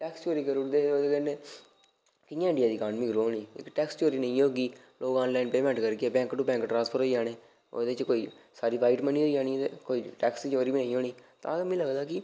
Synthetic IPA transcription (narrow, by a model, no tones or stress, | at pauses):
ʈɛːkst͡ʃoːɾiːkəɾʊʈd̪eːod̪eːkɛːneː | kɪjãːɪ̃ɳɖɪjaːd̪iːkaːnmikɾoːonḭːkʈɛːkst͡ʃoːɾiːnəĩːoːɡiː | loːkɔ̃ːnlaːinpeːmɛ̃ːɳʈkəɾɡeɛːbɛ̃ːŋkʈubɛ̃ːŋkʈɾãːnspʰəɾɦoːiːd͡ʒaːɽ̃eː | o̰ːd̪et͡ʃkoːiːsaːɾiːpʰaːɪʈmənĩːɦoːiːd͡ʒaːniːt̪ekoːiːʈɛːkst͡ʃoːɾiːʋinə̃ĩːɦoːɽiːt̪ã̰ːd̪amĩːləɡd̪aːkɪ